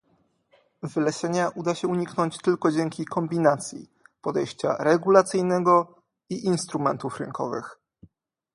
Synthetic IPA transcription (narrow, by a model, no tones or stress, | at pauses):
vɘlɛɕɛɲaʔud̪aɕɛuɲiknɔɲt͡ɕt̪ɘlkɔd͡ʑɛŋkʲikʰɔmbʲinat̪sʲjḭ | pɔd̪ɛjɕt͡ɕa̰ɾɛɡulat̪sɘjnɛɡɔ | iʔinst̪ɾumɛ̰nt̪ufɾɘ̰ŋkʰɔ̰vɘ̰x